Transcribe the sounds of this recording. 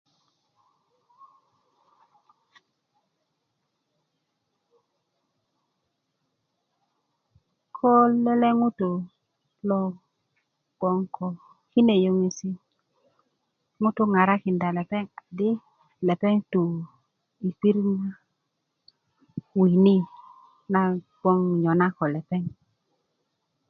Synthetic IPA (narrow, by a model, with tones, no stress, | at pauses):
kʰo˦lːe˦le˦ŋu˦tu˨ | lo˨ | ɡ̥o˨ŋkɔ˨ | ki˦ne˨jo˦ŋe˦si˦ | ŋʊ˦tʊ˦ŋa˨ɾa˦kɪ˨nda˨lɛ˨pɛ˦ŋa˨dɪ˦ | lɛ˨pɛ˦ŋto˨ | i˨pi˦ɾna˦ | wi˨ni˦ | na˦˨ | ɡɔ˦ŋɲɔ˨na˦kɔ˨lɛ˨pɛ˦ŋ